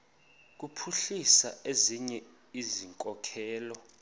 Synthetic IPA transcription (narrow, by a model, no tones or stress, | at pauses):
k̬upʰuɬisaeziɲɛ | iziŋkʼɔkʰɛːlɔ